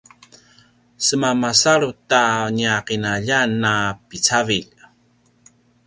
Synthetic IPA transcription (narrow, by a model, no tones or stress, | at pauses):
səmamasaɾutaɲiaqinaʎanːapit͡saviʎ